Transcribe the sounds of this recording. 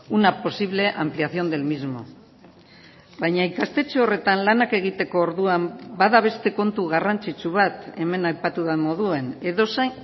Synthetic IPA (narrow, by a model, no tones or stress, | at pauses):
unapo̞siβle̞ʔampliaθjo̞nd̪e̞lmizmo̞̰ | βajɲaikast̪e̞t͡seore̞t̪anlanake̞ɣ̞it̪e̞ko̞ːɾðuambaðaβ̞e̞st̪e̞ko̞nt̪uɣarant͡sit͡suβat̪e̞me̞najpat̪uðamo̞ðue̞ne̞ðo̞sej